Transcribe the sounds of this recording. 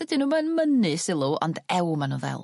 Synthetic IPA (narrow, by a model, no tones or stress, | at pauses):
ɛdɪnumanmənɨsɪlˠuɔ̰ndɛwmanuðɛ̰lˠ